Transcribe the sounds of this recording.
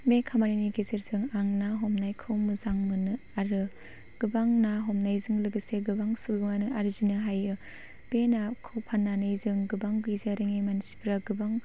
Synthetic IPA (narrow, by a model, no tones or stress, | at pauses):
mekʰamaɾiniɡezeɾzɯŋaŋnaɦɔmnajkʰɯwmɯzaŋmɯnɯ | aɾɯ | ɡ̥ɯbaŋnaɦɔmnajzɯŋlɯɡɯseɡɯbaŋsuɡɯŋanɯʔaɾzinɯɦajɯ | b̥enakʰɯwpʰanːanɯjzɯŋɡɯbaŋɡɯjzaɾɯŋemansi̥bʰɾaɡɯbaŋ